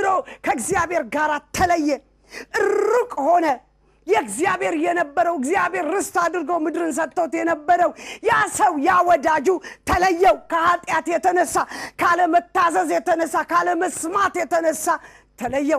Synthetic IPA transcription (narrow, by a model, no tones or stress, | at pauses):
ɨɾo̞kʰəɨɡzijabeɾɡaɾat̪ʰːələjːɛ | ʔɨɾːukʼho̞nə | jɛɡzijaβhe̞ɾjɛnəbːəɾəwɨɡzijaβhe̞ɾːɨst̪ad̪ɨɾɡəwmɨd̪ɾɨns̬ət̪ːəwt̪jɛnəbːəɾəwjasəwjawɔd̪ad͡ʒut̪ʰələjːɛwkʰəhat̪ʼjat̪jɛt̪ʰənəsːakʰaləmət̪ːazəzjɛt̪ʰənəsːakaləməsmat̪jɛt̪ʰənəsːa | t̪ʰələjːɛw